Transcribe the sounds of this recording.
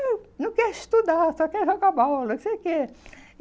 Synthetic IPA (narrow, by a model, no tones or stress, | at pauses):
nɐ̃kɛɾist̪ud̪asɔkɛɾʒokabaluksejke